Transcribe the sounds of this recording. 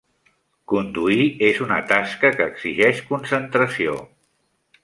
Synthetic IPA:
kund̪uiezunə̰t̪askəkəːɡz̥iʒɛʃkunsənt̪ɾəsio̰

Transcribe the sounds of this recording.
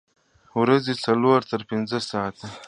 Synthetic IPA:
wɾazet͡saloɾt̪əɾpɪnzəsɑːt̪a

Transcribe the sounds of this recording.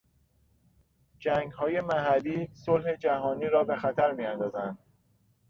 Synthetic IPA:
d͡ʒæːŋɡhɒːje̞mæɦælːiːsolhe̞d͡ʒæɦɒːniːɾɒːbe̞xæt̪ʰæɾmijænd̪ɒːzænd̪̥

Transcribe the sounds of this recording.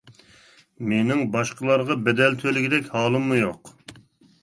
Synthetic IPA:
menɪŋbɑʃqʰəlˠɑɾʁɑbɛd̪ɛlt̪ʰølɪɡʲid̪ɛkʲhɑːlˠɨmːujoq

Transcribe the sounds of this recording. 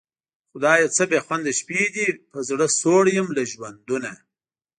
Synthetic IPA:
xʊd̪ɑjet͡səbexwand̪aʃpid̪ipəzɽəsoɽjəmlaʒwand̪una

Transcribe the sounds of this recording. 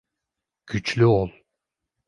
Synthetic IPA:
ɡ̥yt͡ʃlʲyolˠ

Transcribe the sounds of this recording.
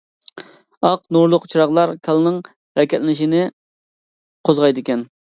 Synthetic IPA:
ɑqnuɾlˠʊqt͡ʃʰiɾɑʁlˠɑɾkʲʰɑlˠɨnɨŋ | ɾɛkʲʰɛt̪lɪnɪʃinɪ | qʰozʁɑjd̪ɪkʲɛn

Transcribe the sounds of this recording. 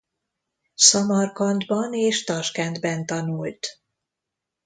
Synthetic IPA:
sɒmɒrkɒnd̪bɒneːʃt̪ɒʃkɛnd̪bɛnt̪ɒnult̪

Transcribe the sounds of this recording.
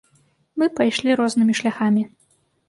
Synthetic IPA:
mɨpajʂlʲiɾɔznɨmʲiʂlʲaxamʲi

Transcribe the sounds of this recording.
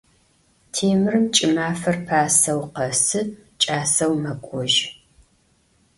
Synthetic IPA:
tʰeːmɨrɨmt͡ʃʼɪmaːfɐrpʰaːsɐwqɐsɨ | t͡ʃʼaːsɐwmɐkʷʼɔʒ

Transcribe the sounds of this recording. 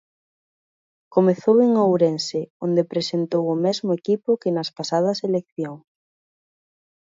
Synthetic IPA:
komeθoweŋowɾenseond̪epɾesent̪owʊmɛzmʊekipʊkenɐspasað̞ɐselekθjoŋs

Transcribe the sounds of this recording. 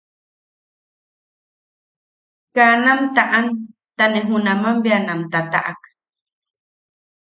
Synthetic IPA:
kanamt̪aʔan | t̪aneɦunamambjanamt̪at̪a̰ʔa̰k

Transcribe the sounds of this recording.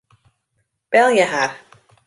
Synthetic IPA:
b̥ɛlˠjəɦaːr

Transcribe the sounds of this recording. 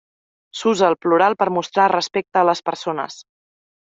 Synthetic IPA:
suzəːlˠpluɾalˠpəɾmust̪ɾarəspek̚t̪əːləspəɾsonə̰s

